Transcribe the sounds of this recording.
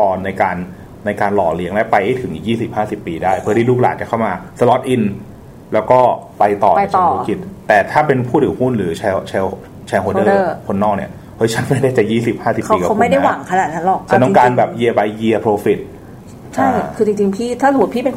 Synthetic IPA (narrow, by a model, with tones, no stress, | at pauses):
kɔː˧˩nːa˧jkaː˧nː | a˧jkaː˧nlɔ̰ː˨˩li˨˦˥əŋlɛ˦˥pa˧jha˥˩jt̪ʰɯ˩˦ʔḭ˨˩jiː˥˩si˨˩p̚haː˥˩si˨˩pːiː˧daː˥˩jpʰɯ˥˩ɐtʰiː˥˩luː˥˩k̚laː˨˩t̪̚a˨˩kʰa˥˩wmaː˧sə˧lɔ˦˥t̪̚ʔi˧n | lɛː˦˥wkɔː˥˩pa˧jt̪ɔ̰ː˨˩a˧˨˥t͡ɕːɔː˩˨˩o˦˥ki˨˩t̪̚t̪ɛː˨˩t̪ʰaː˥˩pe˧npʰuː˥˩t̪ʰɯː˨˩˦hu˥˩nɾɯː˩˦t͡ɕʰɛ˧wt͡ɕʰɛː˧w | t͡ɕʰɛː˧hoː˧˦˥dɤː˩˥˩kʰo˧nːɔː˥˩k̚nḭ˦˥ɐ | hɤ˦˥jt͡ɕʰa˦˥nma˥˩jdaː˥˩jt͡ɕaː˨˩jiː˥˩si˨˩p̚haː˥˩si˨˩kpiː˦˧ka˨˦kːma˥˩jda˥˩˦jwa˥˨˩kʰa˧na˨˩t̪̚ʰa˦˥nlɔː˨˩k̚t͡ɕʰa˦˥nt̪ɔ˥ŋkaː˧nbɛː˨˩p̚ji˧ɐba˧jji˧ɐpʰɾoː˧fi˨˩t̪̚ | t͡ɕʰa˥˩jkʰɯː˧t͡ɕi˧ŋt͡ɕi˧ŋpʰiː˥˩t̪ʰa˥˩sa˨˦˩t̪̚pʰiː˥˩pe˧n˥